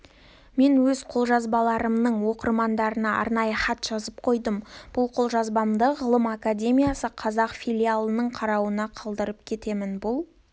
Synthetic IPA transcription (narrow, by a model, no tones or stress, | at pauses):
me̞nwɵzqʰo̞lˠʒɑzbɑlˠɑɾəmnəɴwo̞qərmɑnd̪ɑɾənɑɑ̰ɾnɑjəχɑt̪ʒ̥ɑzəp̚qʰo̞jd̪əmb̥ʊlˠqʰo̞lˠʒɑzbɑmd̪əʁəlˠəmakadʲe̞mʲijasəqʰɑzɑqfilʲijalˠənəɴqʰɑɾɑwənɑqʰɑlˠd̪əɾəpkʲʰe̞t̪e̞mɪnbʊlˠ